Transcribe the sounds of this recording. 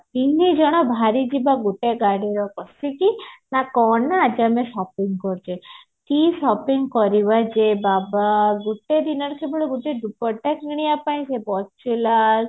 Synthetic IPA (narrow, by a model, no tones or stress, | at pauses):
inid͡ʒɔɽ̃ɔbʱaɾid͡ʒibaɡuʈeɡaɽeɾɔkɔsikinakɔnaad͡ʒameʃɔpiŋɡkɔɾt͡ʃe | k̪iʃɔpiŋɡkɔɾiβad͡ʒebabaɡuʈed̪inɔɾkʰebɔɽeɡuʈeɖupɔʈːakiɽ̃ijapaĩsepɔst͡ʃʰila